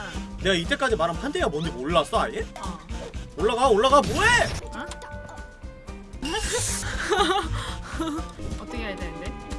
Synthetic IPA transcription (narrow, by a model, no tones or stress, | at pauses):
ne̞ɡait͈e̞k͈ad͡ʑimaɾɦanpʰandejaboniɡoɭːas͈ʌaje | oɭːaɡaoɭːaɡaboea | ʌt͈ʌkʰeadanɯnde